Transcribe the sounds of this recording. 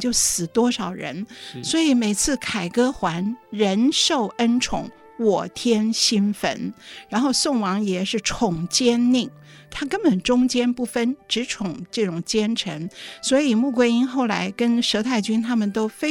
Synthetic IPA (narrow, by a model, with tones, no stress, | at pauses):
t͡ɕjo˥˩ʊsɹ̩˨˩t̪wɔ˥ʂɑ˨˩ʊɻə̰˧˥nswɔ˧˥i˨˧˥me˨˩ɪt͡sʰɹ̩˥˩kʰa˨˩ɪkɤ˥xwa˧˥nɻə˧˥nʂo˥˩ʊə˥nʈ͡ʂʰʊ̰˧˥˦ŋ | wɔ˨˩t̪ʰjɛ˥nɕi˥nfə̰˥nɻa˧˥nxo˥˧ʊsʊ˥˩ŋwɑ˧˥ŋjɛ˨˩ʂɻ̩˥˩ʈ͡ʂʰʊ˨˩ŋt͡ɕjɛ˥nni˥˩ŋ | t̪ʰa˥kə˥npə˨˩nʈ͡ʂʊ˥ŋt͡ɕjɛ˥npu˥˩fə˥nʈ͡ʂɻ̩˧˥ʈ͡ʂʰʊ˨˩ŋʈ͡ʂɤ˥˩ʈ͡ʂʊ˨˩ŋt͡ɕjɛ˥nʈ͡ʂʰə̰˧˥ŋswɔ˧˥i˨˩mu˥˩kwe˥i˥nxo˥˩ʊla˧˥ɪkə˥nʂɤ˧˥t̪ʰa˥˩ɪt͡ɕy˥nt̪ʰa˥mə˨nt̪o˥ʊfe˥